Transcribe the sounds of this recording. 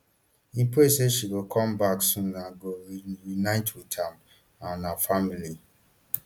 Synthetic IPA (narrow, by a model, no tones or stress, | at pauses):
ipeseʃiɡokʰɔ̃mbaksũnːaɡoɾinaɪtʰwitʰam | anafamili